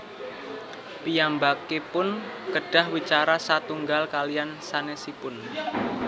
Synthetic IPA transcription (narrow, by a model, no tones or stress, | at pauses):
pijambakepʊnkəɖ̥a̤hwit͡ʃaɾasat̪uŋɡalkalijansanesipʊn